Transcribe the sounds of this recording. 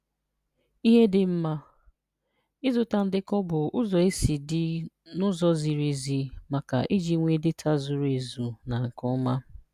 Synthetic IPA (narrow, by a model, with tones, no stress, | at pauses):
i˦ɦe˦dɪ˨m̩˦ma˦ | ɪ˦zʊ˨ta˨n̩˦dɪ˦kɔ˦bʊ˨ʊ˦zɔ˨e˦si˨dɪ˦ | nʊ˦zɔ˦zi˨ɾi˨zi˨ma˨ka̰˨ʔi˦d͡ʒi˨˦ŋʷe˦˨dɪ˦tʰa˦zʊ˨ɾe˨zu˨na˨ŋ̩˨kɔ˦ma˦